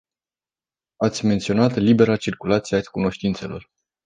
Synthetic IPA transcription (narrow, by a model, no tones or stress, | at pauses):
at̪sʲme̞nt̪sio̞nat̪libe̞ɾat͡ʃirkulat̪siakuno̞ʃt̪int̪se̞lo̞̰r